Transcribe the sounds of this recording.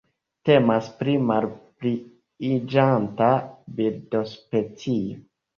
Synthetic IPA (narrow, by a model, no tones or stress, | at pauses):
te̞maspɾimalpɾiː | d͡ʒantabiɾdospet͡sio